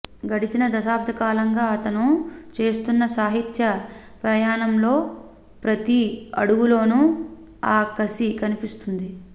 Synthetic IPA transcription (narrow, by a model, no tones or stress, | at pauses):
ɡɐɽit͡ʃinɐd̪ɐsaːp̚d̪ʰʱɐkaːlɐŋɡaːɐt̪ɐnut͡ʃe̞ːst̪unːɐsaːɦit̪jɐ | pɾɐjaːɳɐmlo̞ː | pɾɐt̪iɐ̰ɽuɡulo̞ːnu | aːkɐsikɐnipist̪und̪i